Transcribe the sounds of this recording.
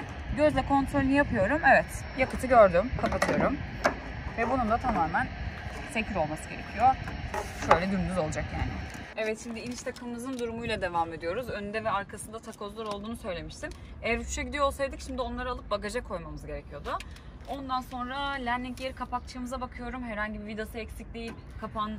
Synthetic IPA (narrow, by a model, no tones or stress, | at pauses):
ɟø̞zlʲɛkʰo̞nt̪ʰɾolʲynijapʰɯjo̞ɾumevɛt̪ | jakɯt̪ʰɯɟøɾd̪ymkʰapat̪ʰɯjo̞ɾum | vɛbunumd̪at̪ʰamaːmæn | fecʰiɾo̞lˠmasɯɟe̞ɾe̞̰cʰijo̞ʃø̞jlʲɛd̪ynd̪yzo̞lˠad͡ʒakja̰ːnɪ̰ɛvɛt̪ʃimd̪iilʲit͡ʃt̪ʰakʰɯmɯmɯzɯnd̪uɾumujlʲˠad̪e̞vaːme̞d̪ijo̞ɾuzø̞nynd̪ɛvɛaɾkʰasɯnd̪at̪ʰakʰo̞zlˠuɾo̞lˠd̪uːnusø̞jlʲe̞miʃt̪ʰin | ejæɾʃʰyt͡ʃɛɟid̪ijoolˠsajd̪ɯcʃimd̪io̞nlˠaɾalˠɯp̚bakaʒakʰo̞jmamɯzɟe̞ɾecʰijo̞d̪ʊ | o̞nd̪anso̞nɾalʲænlʲiŋɟeɾikʰapak̚t͡ʃʰamɯzabakʰɯjo̞ɾumhɛɾhaɲɟibivid̪osɯɛcsiclʲejipkʰapʰan